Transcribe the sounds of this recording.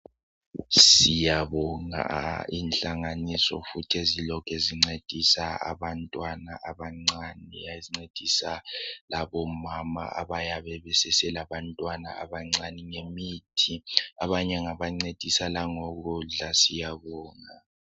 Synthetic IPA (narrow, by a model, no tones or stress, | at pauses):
sijaβɔŋa̰inɬaŋanisɔ̰futʰiezilɔkʰɛziŋ͡ǀed̥ʱisaa̰βantʼwana̰ʔaβaŋ͡ǀanḭjazŋ͡ǀed̥ʱisalaβɔmama̰a̰βajaβɛβɛsɛsɛlaβantʼwana̰a̰βaŋ͡ǀaniŋemiːtʰiaβaɲɛŋaβaŋ͡ǀed̥ʱisalaŋoɣuɮasijaβɔːŋa